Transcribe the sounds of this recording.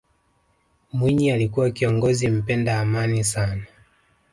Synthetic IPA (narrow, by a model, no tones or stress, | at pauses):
mwiɲialikuwakiɔŋɡɔzim̩pɛndaːmanisana